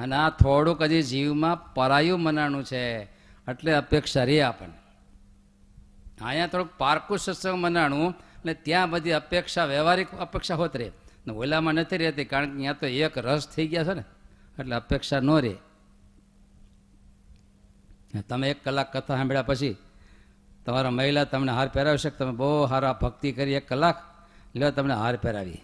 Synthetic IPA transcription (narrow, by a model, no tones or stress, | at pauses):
ənat̪ʰoɽũkəd͡ʒid͡ʒiʋmãpəɾajũmənaɽũt͡ʃʰeəʈleəpekʃaɾeapə̰ɳe | a̰ijãt̪ʰoɽũk̚paɾkũsəsəmənaɽ̃ũəet̪jãbəd̪ʱiəpekʃaʋeʋaɾikəpekʃaɦot̪ɾḛneʋoilamãnət̪ʰiɾɛɦt̪ikaɾəɳkejãt̪oekɾəst̪ʰəiɡjat͡ʃʰoneeʈleəpekʂanoɾḛ | t̪əmeːkːəlːakːət̪ʰaɦameɭapət͡ʃʰi | t̪əmaɾaməɦilat̪əmneɦaɾpɛɾaʋiʃeket̪əmẽboɦaɾabʱəɡ̚t̪ikəɾiekːəlːak | leat̪əmneɦaɾpɛɾa̰ʋḭ